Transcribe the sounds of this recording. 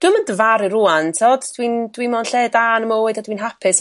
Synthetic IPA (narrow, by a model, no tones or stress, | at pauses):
d̥ʊməndəvaɾirʊantʰoːdd̥windwimɔnɬɛːdanəmowɛdadwiːnɦapʰɪs